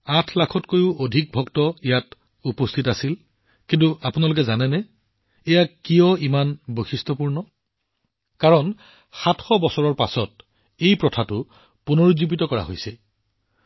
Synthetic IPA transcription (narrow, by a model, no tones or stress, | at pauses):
atʰlakʰɔtkojʊʔodʱik̚bʱɔktɔijat | upostʰitasil | kintuapunalʊkɛzanɛnɛ | ɛjakijɔimanboxistʰɔpuɹnɔ | kaɹɔn | xatʰxɔbɔsɔɹɔɹpa̰sɔt̚ | ejpɹɔtʰatʊ | punoɹuzibitɔkɔɹa̰ɦojsɛ